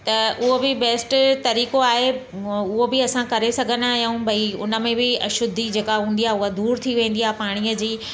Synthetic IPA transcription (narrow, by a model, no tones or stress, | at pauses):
t̪ɐʔʊɦobɪbeːsʈt̪ɐɾiːkoaːɦe | ʊɦobɪɐsãkɐɾesɐɡʱənaːɦijaũbʱɐiʊ̰nə̆mẽbɪɐʃʊd̪ʱːid͡ʑeːkaɦũːnd̪ijaːɦeʊɦad̪uːɾt̪ʰiʋẽːn̆d̪iaːɦepaːɽ̃ijəd͡ʑiː